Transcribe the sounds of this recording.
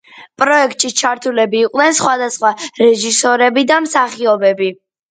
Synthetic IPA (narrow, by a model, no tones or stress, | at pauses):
pʼɾɔɛkʰt̪ʼʃit͡ʃʰaɾt̪ʰulɛbiːqʼnɛnsχwad̪asχwaɾɛʒisɔɾɛbid̪amsaχiɔbɛbi